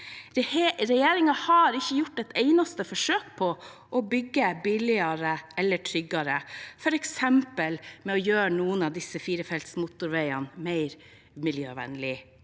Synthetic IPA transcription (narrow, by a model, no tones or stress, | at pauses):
ɾɛjeːɾɪŋɑhɑɾɪçːəjʊʈːɛt̪eɪnɑst̪əfɔʂøːk̚pʰɔ | ʔɔbʏɡːəbɪlɪɑɾəʔɛlːəʈʰɾʏɡːɑɾəfɔɾɛksɛmpəlmɛɔjøːɾənuːənɑʋd̪ɪsəfiːɾəfɛlt̪smʊt̪ʊɾʋæɪɑnmæɪɾ | mɪljøːʋɛ̰nlɪ